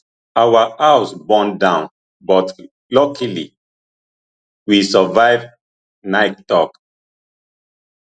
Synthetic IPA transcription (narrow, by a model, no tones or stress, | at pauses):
awaʔaʊsbɔ̃ndãʊ̃n | bɔt | lɔkʰalḭ | wisɔvaɪv | naɪttɔk